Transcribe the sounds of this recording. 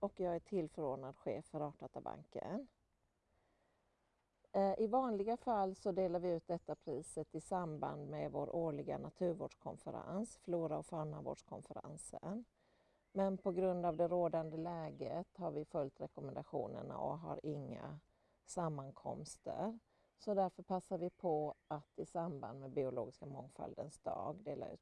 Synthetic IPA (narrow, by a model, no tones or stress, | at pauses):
ɔkjɑːɡæʈʰɪlːfœɾoːɖɳad̪ɧḛːfːœɾɑːʈat̪aba̰ŋkə̰n | ʔɪvɑːnlɪɡafalːsɔd̪eːlaɾvɪʉ̟ːt̪̚d̪ɛt̪ːapʰɾiːsət̪ɪsamba̰nd̪mɛvoːɾʔoːɭɪɡa̰nat̪ʰʉ̟ːɾvo̰ːɖʂkʰɔnfəɾa̰nsfluːɾaɔfamavo̰ːɖʂkʰɔnfəɾa̰nsən | mɛnpʰɔɡɾɵnd̪avd̪ɛɾoːd̪and̪əlɛːɡət̪haɾvɪfœlt̪ɾɛkɔmɛnd̪aɧṵːnə̰ɳa̰ɔɦa̰ɾɪŋːa̰ | samːaŋkʰɔ̰mst̪ə̰ɾ | sɔd̪æɾfœɾpʰasːaɾvɪpʰɔat̪ɪsamba̰nd̪mɛbɪʊlo̰ːɡɪskamɔŋfa̰ld̪ənsd̪ɑ̰ːɡd̪eːla̰ɾʉ̟ːt̪